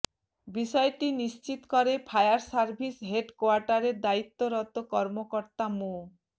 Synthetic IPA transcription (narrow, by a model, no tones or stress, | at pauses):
bisɔeʈinist͡ɕit̪kɔɾepʰajaɾsaɾbʱisɦeɖkoaɾʈaɾeɾd̪ait̪ːoɾɔt̪okɔɾmokɔɾt̪amo